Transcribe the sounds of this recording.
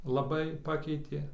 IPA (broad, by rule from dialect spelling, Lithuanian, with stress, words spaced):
lˠɐˈbɐɪ ˈpɑːkʲɛɪtʲeː